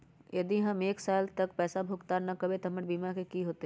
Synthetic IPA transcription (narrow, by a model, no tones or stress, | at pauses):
jɐd̪iɦɐmeːksaːlt̪ɐkpɛːsabʱʊɡt̪anɐkɐbʱet̪ʰɐməʈbiːmakekiɦoːt̪e